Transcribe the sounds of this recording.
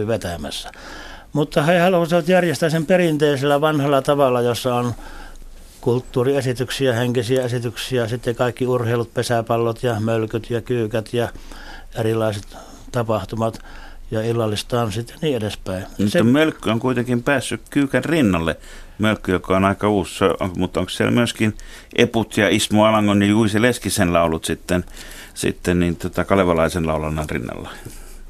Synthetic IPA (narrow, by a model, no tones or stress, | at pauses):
iʋet̪æmæ̰sːæ | mut̪ːɑheihɑlhoseʋɑt̪jærjest̪æsemperint̪eːselːæʋɑnhɑlːɑt̪ɑʋɑlːɑjosːɑon | kult̪ːuːriesit̪yksiæheŋkisiæesit̪yksiæsit̪ːekɑˑikːiurheˑilut̪̚pesæpɑlːot̪jɑmølkyt̪jɑkyːkæt̪jɑ | erilˑɑˑiset̪ | t̪ɑpɑht̪umɑt̪ | jɑilːɑlːist̪ɑːnsit̪ːeniːedespæˑimusːɑmølkːyoŋkuit̪eŋkimpæːsːykkyːkænrinːɑlːe | mølkːyjokɑonɑˑikɑuːssoo̰ŋmut̪ːoŋkssiḛlmyøskin | ʔeput̪jɑismoɑlɑŋkonjɑjuiseleskisenlɑˑulut̪sit̪ːen | sḭt̪ːenniːnt̪uot̪ɑkɑleʋɑlɑˑisenlɑˑulɑnːɑnrḭnːɑ̰lːɑ̰